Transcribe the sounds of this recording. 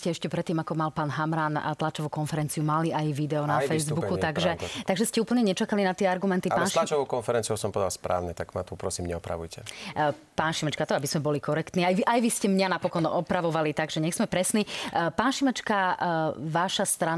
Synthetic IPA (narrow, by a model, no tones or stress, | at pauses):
scɛɛʃcɛpɾɛt̪ːiːmakɔmalpaːnɦamɾaːnt̪lat͡ʃɔʋukɔnfɛɾɛnt͡siumaliajʋid̪ɛɔnafɛjzbukut̪aɡʒɛt̪aɡʒɛscɛuːpl̩ɲɛɲɛt͡ʃakalinat̪ɪɛaɾɡumɛnt̪ipaːnlat͡ʃɔʋɔʊkɔnfɛɾɛnt͡sijuʊsɔmpɔɛd̪a̰lspɾʔa̰ːʊɲɛt̪aɡmat̪upɾɔsiːmɲɛɔpɾa̰ʋujcɛ̰ | paːnʃimɛt͡ʃkat̪ɔabiszmɛbɔlikɔɾɛkt̪niːajʋiʔajʋiscɛmɲanapɔkɔnɔpɾaʋɔʋalit̪aɡʒɛɲɛɣz̥mɛpɾɛsniːpaːnʃimɛt͡ʃka | ʋaʃast̪ɾan